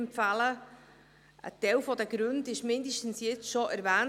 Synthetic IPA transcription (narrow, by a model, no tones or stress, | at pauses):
mpfalə | ʔə̰tɛwfɔdəɡɾʉndɪʃmɪndəʃtn̩sjɛt͡sʃɔʔæɾvæːn